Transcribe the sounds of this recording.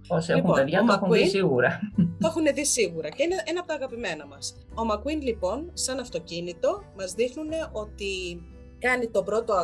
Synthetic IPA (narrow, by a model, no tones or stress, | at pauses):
osexumopeðʝɐt̪exunisiɣuɾɐθoexune̞ðisiɣuɾɐceineeneɐpot̪ɐːɣɐpime̞nɐmɐs | o̞mɐkwinlipo̞nsɐnɐft̪o̞cinit̪o̞mɐzðixnune̞ʔo̞t̪i | kɐnit̪o̞bɾo̞t̪o̞ɐ